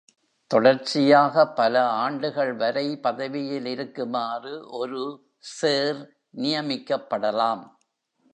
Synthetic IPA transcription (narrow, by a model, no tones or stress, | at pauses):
t̪ɔɽɐɾt͡ʃɪjaːɣɐpːɐlɐaːɳɖɯɣɐɭʋɐɾɐɪpɐðɐʋɪjɪlɪɾɯkːɯmaːrɯʔɔɾɯ | seːɾ | nɪjɐmɪkːɐpːɐɽɐlaːm